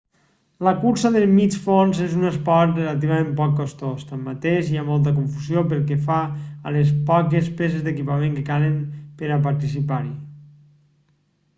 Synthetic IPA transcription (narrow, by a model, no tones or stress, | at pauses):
ləkuɾsəðelmit͡ʃfonzezunəspɔɾt̪relat̪̬iβamempɔkːost̪ost̪amːat̪eʃiamɔlˠt̪̬əkuɱfuziopəlˠkɛfaːles̬pɔkespes̬ezd̪ekipamẽŋkekaləmpəɾap̬aɾt̪isipaɾi